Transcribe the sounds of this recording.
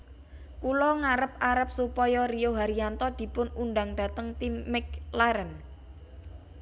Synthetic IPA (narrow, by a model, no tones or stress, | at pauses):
kulɔŋaɾəp̚aɾəp̚supɔjɔrijoɦaɾiant̪ɔd̪̥i̤pʊnunɖaŋɖ̪̥a̤t̪əŋt̪imɪk̚laɾən